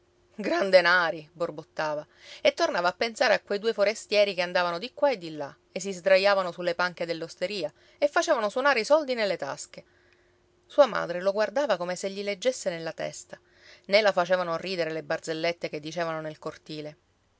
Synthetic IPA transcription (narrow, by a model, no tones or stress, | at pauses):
ɡɾand̪enaːɾiborbot̪ːaːva | et̪ːornaːvaːpːensaːɾeakːwejd̪uːefoɾest̪jɛːɾikeand̪aːvanod̪ikːwaed̪ːilːa | es̬ːizd̪ɾajːaːvanosulːepaŋked̪elːost̪eɾiːa | efːat͡ʃeːvanoswonaːɾeisɔld̪inelːet̪a̰ske | suːama̰ːd̪ɾeloɡward̪aːvakomeseʎːiled͡ʒːesːenelːat̪ɛ̰st̪a | nelafat͡ʃeːvanoriːd̪eɾelebard̪zelːet̪ːeked̪ːit͡ʃeːvanonelkort̪iːle